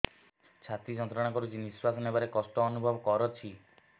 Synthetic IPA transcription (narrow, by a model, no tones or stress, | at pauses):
t͡ʃʰat̪id͡ʒɔnt̪ɾɔɽ̃aŋkɔɾud͡ʒiniswasɔnebaɾekɔsʈɔːnubʱɔbɔkɔɾɔt͡ʃʰi